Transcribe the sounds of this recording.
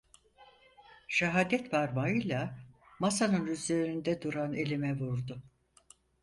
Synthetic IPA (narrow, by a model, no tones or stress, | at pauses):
ʃaɦaːd̪ɛt̪baɾmaɯjlˠa | masanɯnyzle̞ɾɾind̪ɛd̪uɾane̞lʲimɛvuɾd̪ʊ